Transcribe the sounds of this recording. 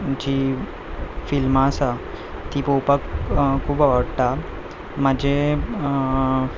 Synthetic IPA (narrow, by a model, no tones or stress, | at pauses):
d͡ʑi | filmasa | t̪ipowpakkʰːuːbaʋəɽʈ̪a | mad͡ʑʱe